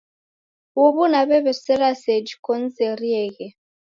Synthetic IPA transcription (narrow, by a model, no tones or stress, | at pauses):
woβunaβɛβɛsɛɾasɛd͡ʒikɔn̩zɛɾiɛɣɛ